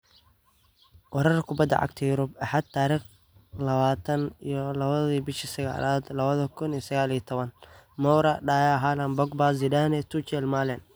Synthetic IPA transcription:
wɐɾɐrkʰʊbɐd̪ːɐ̰ʕa̰ɡ̚t̪ʰɐjʊɾʊbaħad̪̚t̪ʰaːɾiːχ | lɐβaːt̪ʰɐnijɔlɐβɐðiːbɪʃisɐɣa̰ːlʔaːd̪lɐβɐðɐkʰʊnijɔsɐɣaːlijɔt̪ʰɔβɐnmɔwɾɐɖaːjaɦalɐnbɔɡbazɪdanɛt̪ʰut͡ʃɛlmaːlɛn

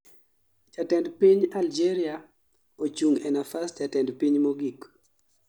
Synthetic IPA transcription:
t͡ʃatɛndpiɲald͡ʒɛɾia | ot͡ʃuŋɛnafast͡ʃatɛndpiɲmoɡik

